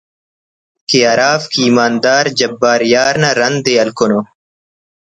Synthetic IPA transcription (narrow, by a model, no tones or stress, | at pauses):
kiaːɾaːfkiːmaːnd̪aːɾd͡ʑɐbːaːɾjaːɾnɐɾɐnd̪eɐlkono